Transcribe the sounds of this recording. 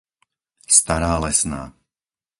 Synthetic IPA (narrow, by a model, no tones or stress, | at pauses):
st̪aɾaːlɛsna̰ː